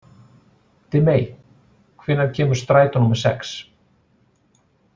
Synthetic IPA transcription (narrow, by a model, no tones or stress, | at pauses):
t̪ʰɪmeːj | kʰvɪnːaðcʰɛːmʏɾ̥st̪ɾaːjt̪anːumḁsɛ̰ks